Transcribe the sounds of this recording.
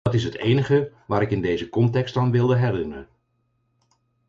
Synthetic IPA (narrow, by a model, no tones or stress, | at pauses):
ɑtɪs̬ɦətejnəχə | ʋaːɾɪkɪndejzəkɔntɛkstaːnʋɪlˠdəɦɛrɪnərən